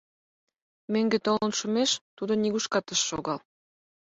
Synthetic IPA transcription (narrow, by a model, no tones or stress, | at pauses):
møŋɡet̪olə̆nʃumeʃt̪ud̪oniɣuʃkɑt̪ə̆ʃːoɣɑl